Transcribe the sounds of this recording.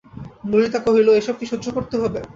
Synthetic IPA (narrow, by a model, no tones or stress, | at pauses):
mulit̪akoɦiloeʃɔb̚kiʃod̪d͡ʑʱokoɾt̪eɦɔbe